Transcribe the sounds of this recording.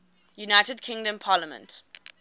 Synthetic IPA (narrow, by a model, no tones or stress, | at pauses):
junaɪtədkʰɪ̃ŋdə̃mpʰaːləmə̰̃nt